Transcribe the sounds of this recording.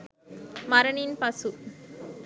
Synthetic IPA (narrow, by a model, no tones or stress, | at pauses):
mɐɾɐɳɪnpɐsu